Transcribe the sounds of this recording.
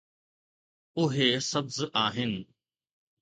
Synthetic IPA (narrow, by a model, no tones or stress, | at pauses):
ʊɦesɐbzaːɦɪnɪ̆